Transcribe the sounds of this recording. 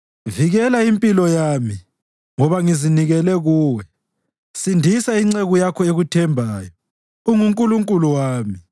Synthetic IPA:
viɣɛlaimpʼilɔjami | ŋɔβaŋiziniɣɛlɛɣuːwɛ | sindʱisaiŋ͡ǀeɣujakʰɔeɣutʰɛmbʱaːjɔ | uŋuŋkʼuluŋkʼuluwaːmi

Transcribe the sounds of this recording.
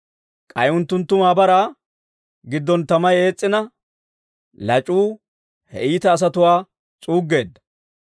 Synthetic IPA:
kʼɐjʊnt̪ːʊnt̪ːʊmaːbɐɾaː | ɡɪd̪ːɔnt̪ɐmɐje̞ːt͡sʼːɪnɐ | lɐt͡ʃʼuː | hɛ̰ʔiːt̪ɐːs̬ɐt̪ʊwaː | t͡sʼuːɡːe̞ːd̪ːɐ̥

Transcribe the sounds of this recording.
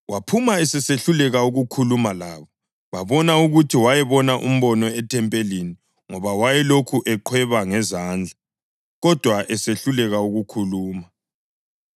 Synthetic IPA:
wapʰumaɛsɛseɬulɛɣauɣukʰulumalaːβɔ | βaβɔnauɣutʰiwajɛβɔnaʔṵm̩βɔnɔɛtʰɛmpʼelini | ŋɔβawajɛlokʰuʔɛǃʰwɛβaŋɛzaːnd͡ɮʱa | ɣɔd̥ʱwaʔɛseɬulɛɣauɣukʰuluːma

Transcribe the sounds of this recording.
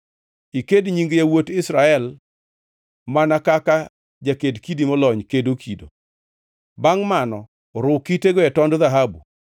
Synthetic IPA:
ikedɲiŋɡjawotɪsɾaɛl | manakaka | d͡ʒakedkidimɔlɔɲkedokʰido̰ | baŋmanɔ | ɾʊkiteɡɔɛtɔndðaɦabu

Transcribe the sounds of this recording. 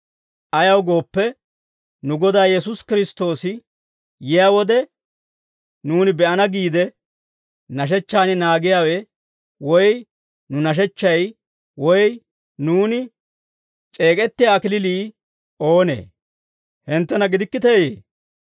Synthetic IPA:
ʔɐjɐwɡo̞ːpːɛ | nʊɡɔd̪aːjɛs̬ʊskɪɾɪst̪o̞ːsɪ | jɪjaːwɔd̪ɛ | nuːnɪbɛʔɐnɐɡiːd̪ɛ | nɐʃ̬ɛt͡ʃːaːnɪnaːɡɪjaːwɛ | wɔj | nʊnɐʃ̬ɛt͡ʃːɐj | wɔj | nuːnɪ | t͡ʃʼe̞ːkʼɛt̪ːɪjaːkɪlɪliː | ʔo̞ːnḛː | hɪnt̪ːɛnɐɡɪd̪ɪkːɪt̪eːjeː

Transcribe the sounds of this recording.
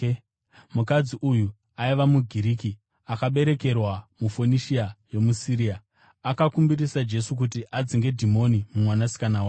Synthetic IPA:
mukad͡ziʔuju | aiʋamuɡʱiɾiːki | akaɓe̞ɾe̞ke̞rwamufo̞niʃiajo̞musiɾiaː | kakumbiɾisad͡ʒe̞suk̬utiʔad͡ziŋɡe̞dʱimo̞nimumwanasi̥kanawa

